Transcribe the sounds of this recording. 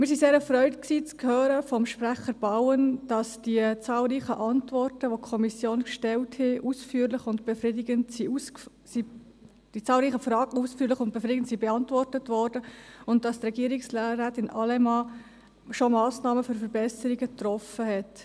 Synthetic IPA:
mɪɾs̬iseːɾɛfɾœʏtksiːt͡skʰhøːɾəfɔmʃpɾæχəɾb̥ɑʊənd̥ɑsd̥iət͡sɑːlɾiːχəʔɑntvɔrtəʋokʰɔmisjoːnkʃtɛlthɪʔusfyːəɾlɪχʊndb̥efrɪdɪɡəntsius | si | d̥it͡sɑːlɾiːχəfrɑːɡəusfyːlɪχʊnt̚b̥efɾidɪɡəntsibeɑntvɔrtətʋɔɾd̥əʊntd̥ɑstrɛɡiəɾɪkslɾæːtɪnʔɑlɛmɑ | ʃomɑːsnɑːməfʏɾfəɾbɛsəɾiɡətrɔfəɦɛt

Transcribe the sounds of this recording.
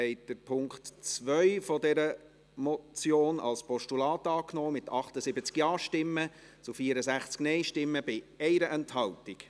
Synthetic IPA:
ɛɪt̚d̥əɾpʰʊŋktt͡svœʏfɔdɛɾə | mɔt͡sjoːnʔɑ̰lspʰɔʃtulɑːtɑːknɔːmɪtɑχtəsɪbət͡skjɑːʃtɪmːə | t͡sufiəɾəsæχt͡sknɛɪʃtɪmːəb̥ɪɛɪɾəʔɛnthɑltik

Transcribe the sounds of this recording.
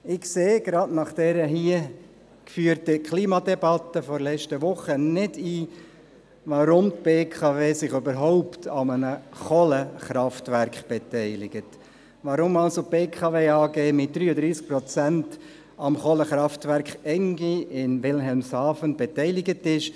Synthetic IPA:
ɪkseːɡ̥ɾɑdnɑχd̥ɛɾəɦiə | kfyːəɾtəkʰliːmɑdɛbɑt̪ːəfɔɾlɛt͡ʃtəʋʊχənɪdiː | ʋɑɾʊmt̪̚b̥eːkʰɑveːsɪχøbəɾɦɔʊptʰɑmənəχɔləχɾɑftʋæɾkχb̥ɛtɛɪlɪɡ̥ət | ʋɑɾʊmɑlsob̥eːkʰɑʋeːɑːɡeːmɪt̚d̥̪ɾyːədɾiːsk̚pɾɔt͡sænt | ɑmχɔləχɾɑftʋæɾkχɛŋɡiʔɪnʋɪlɦɛlmsɑːfənb̥ɛtɛɪlɪɡətɪʃ

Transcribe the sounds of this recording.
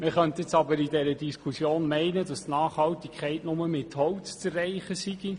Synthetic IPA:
məχœntjɪt͡sɑbəɾidɛɾədiskʰχusjoːnmɛɪnəd̥ɑstnɑːχhɑltikʰχɛɪtnʊməmɪthɔwt͡st͡sərɛɪχəsiɡ̥i

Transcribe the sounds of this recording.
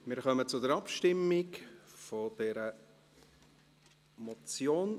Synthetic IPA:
mɪːɾχœmət͡sʊdəɾɑpʃtɪmːɪkfod̥ɛɾə | mɔt͡sjoːn

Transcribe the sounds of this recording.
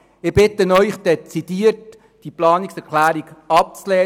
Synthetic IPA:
ɪɾb̥ɪtənœʏχd̥ɛt͡sid̥iːərt | d̥iplɑːniksɛɾkʰlæːɾiɡɑp̚t͡slɛː

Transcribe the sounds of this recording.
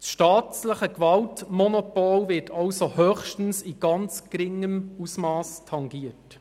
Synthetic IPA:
sʃtɑːtləχəkʋɑltmɔnɔpɔlvɪtʰɑwsohœːχʃtən̩siɡ̥ɑnt͡skɾɪŋəmusmɑːstʰɑŋɡiət

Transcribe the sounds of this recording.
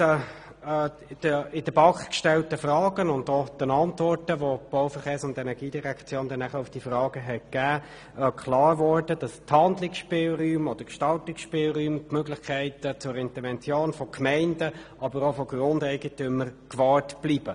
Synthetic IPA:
d̥əɪd̥əb̥ɑkkʃtɛltəfrɑːɡ̥ənʊndod̥ɛnɑntvɔɾtəʋob̥ɔwfəχeːɾsʊndɛnɛʁɡ̥iːd̥iʁækʰt͡sjoːndɛnːæχəʊfd̥ifrɑːɡ̥əɦɛk̚ɡ̥æː | kʰlɑːɾʋɔɾd̥əd̥ɑsthɑndlɪksʃpɪːlɾyːmɔd̥əkʃtɑltɪksʃpɪːlʁyːmtmøɡlɪχkʰæɪtət͡sʊɾɪntəɾvɛnt͡sjoːnfɔkʰmɛɪndəʔɑbəɾɔfɔɡ̥rʊndɛɪɡətʏməɾkʋɑːɾtb̥liːb̥ə

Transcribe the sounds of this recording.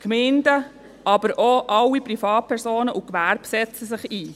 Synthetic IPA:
kmeɪndə | ʔɑbəɾʔɔʔɑlːipɾifɑːt̚pʰɛɾsoːnəʔukʋæɾb̥sɛt͡səsɪχiː

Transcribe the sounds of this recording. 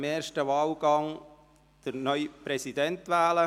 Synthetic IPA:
meːɾʃtəʋɑːlɡ̥ɑŋ | d̥əɾnœʏpɾɛsidɛntʋæːlə

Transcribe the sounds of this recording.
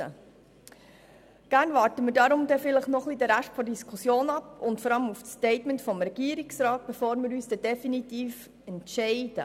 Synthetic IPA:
ə̰ | ɡ̥æːɾnvɑːɾtəməɾdɑɾʊmdɛfɪləχnɔχlidəɾæʃtfɔɾdiskʰusjoːnɑpʊntfɔɾɑləmufstɛɪtməntfɔmɾɛɡ̥iːəɾiksɾɑːt̚b̥efoːɾmɪɾyːsd̥ɛd̥ɛfinitiːf | ɛntʃɛɪd̥ə

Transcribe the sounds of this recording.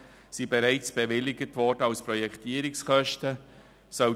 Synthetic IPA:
sibeɾaɪt͡sb̥evɪlːɪɡətvɔɾdəaʊspɾɔjɛktiːɾɪkskœʃtə | sœ

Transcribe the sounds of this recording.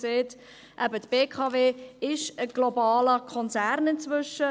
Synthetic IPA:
seːt | ʔæbət̪b̥eːkʰɑːveːɪʃəɡ̥lɔbɑːləkʰɔnt͡sæɾnɪnt͡svʏʃə

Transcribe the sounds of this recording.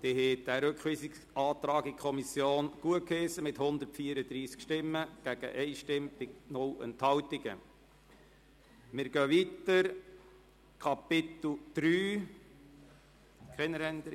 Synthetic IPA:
d̪̥eɦed̪æɾøkχʋiːsɪk | ʔɑːt̪ɾɑːɡɪkʰɔmisjoːnɡ̥uət̚kʰesəmɪthʊnd̪ərtfiːəɾəd̪ɾiːskʃtɪmːəɡ̥æɡ̥ə̰ʔɛɪʃtɪmpɪnʊlə̰nt̪hɑwt̪ɪɡə̰ | mɪɾɡœːʋit̪əɾ | kʰɑpɪt̪l̩d̪̥ɾyː | kʰɛnːəɾɛnd̪ə

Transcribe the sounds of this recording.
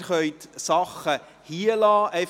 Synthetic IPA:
rχœʏtsɑχə | hiəlɑːʔɛf

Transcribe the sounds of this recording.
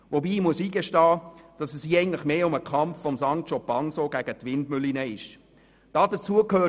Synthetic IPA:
ʋobiːmuəsiːɡeʃtɑːd̥ɑsɛsiːɛɪŋn̩tlɪχmeːʊməkʰɑmfːɔmsɑŋktʃɔpɑnsoɡ̥æɡətʋɪndmʏlinəɪʃ | d̥ɑːd̥ət͡suəkhøː

